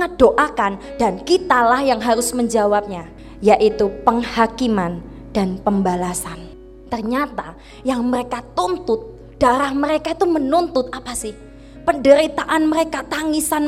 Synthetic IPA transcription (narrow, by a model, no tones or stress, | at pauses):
ad̥oʔakandankit̪alahjaŋɦaɾʊsməɲd͡ʒawap̚ɲa | jaʔit̪upəŋhakiman | d̥anpəmbalasan | t̪ərɲat̪a | jaŋməɾekat̪unt̪ʊt̪̚ | d̥aɾahməɾekait̪umənunt̪ʊt̪̚apasɪh | pəndəɾit̪aʔanməɾekat̪aŋisan